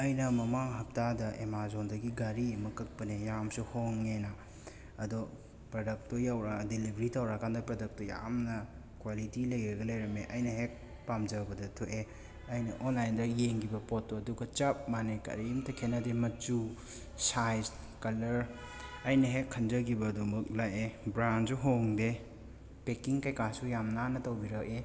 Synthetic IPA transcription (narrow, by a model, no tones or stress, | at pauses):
ɐjnɐmɐmaŋɦɐp̚tadɐʔemazondɐɡiɡaɾiɐmɐkɐk̚pɐnejamsuhoŋːena | ɐdo | pɾodɐk̚tojawɾadilibʱɾitawɾakandɐpɾɐdɐk̚toja̰mnɐ | kwalitilɐjɾɐɡɐlɐjɾɐmeʔɐjnɐɦek̚ | pamd͡ʒɐbɐdɐtʰoʔe | ɐjnɐʔɔnlajndɐjeŋɡibɐpɔtːoɐduɡɐt͡ʃap̚manekɐ̰ɾijumtɐkʰenɐdemɐt͡ʃu | sajz | kɐlɐɾ | ɐjnɐɦekʰːɐnd͡ʒɐɡibɐdumɐk̚lajebɾanzuɦoŋde | pekiŋkajkasujamnanɐtɐwbiɾɐk̚e